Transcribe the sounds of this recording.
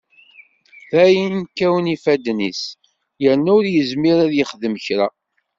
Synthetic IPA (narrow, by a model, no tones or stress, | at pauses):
θæjənkːæwənifæd̪nis | jəɾnʊɾjəzmiɾæðjəχðəməçɾa̰